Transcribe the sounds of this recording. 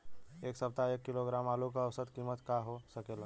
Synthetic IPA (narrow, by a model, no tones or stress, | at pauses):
eːksəp̚t̪aeːkːiloɡɾaːmaːlokaəwsəd̪kimət̪kaɦosəkela